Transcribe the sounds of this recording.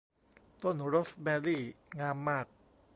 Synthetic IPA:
t̪o˥˩nɾo˦˥smɛː˧liː˥˩ŋaː˧mːaː˥˩k̚

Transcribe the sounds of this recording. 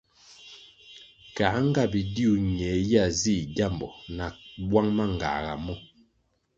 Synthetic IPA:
ka˨˦ŋ̩˦ɡa˦˨bi˨di˦u˨ɲɛ˨˦ja˦˨zi˦˨ɟa˦˨mbɔ˨na˨wwa˦ŋma˦˨ŋ˨ɡa̰˨ɣa̰˨mɔ˦

